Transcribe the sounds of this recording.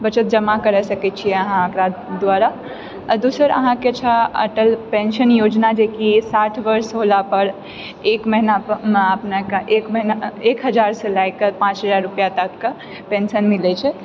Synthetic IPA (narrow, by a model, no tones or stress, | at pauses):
bət͡ʃət̪̚d͡ʒəmakəɾɛsəkɛt͡ʃʰijɛəɦãokɾad̪ʋaɾa | d̪usəɾə̰ɦãket͡ʃʰəə̰ʈəlpensənjod͡ʒnad͡ʒekisaʈʰbəɾsɦolapəɾ | ekməɦinameəpnekeʔekməɦinaekɦəd͡ʒaɾsəlajkːəpãt͡ʃɦəd͡ʒaɾːupjat̪əkkːe | pensənmilɛt͡ʃʰɛ